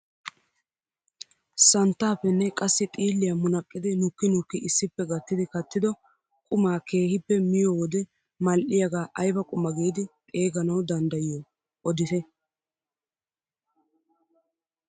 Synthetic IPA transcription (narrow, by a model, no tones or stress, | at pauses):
sɐnt̪ːaːpːɛnːɛkʼɐsːɪt̪ʼiːlːɪjɐmʊnɐkʼːɪd̪ɪnʊkːɪnʊkːɪʔɪsːɪpːɛɡɐt̪ːɪd̪ɪkɐt̪ːɪd̪ɔ | kʼʊmaːke̞ːhɪpːɛmɪjoːwɔd̪ɛ | mɐlʔɪjɐɡaːʔɐjbɐkʼʊmɐɡiːd̪ɪt̪ʼe̞ːɡɐnɐwd̪ɐnd̪ɐjɪɔ | ɔd̪ɪt̪ɛ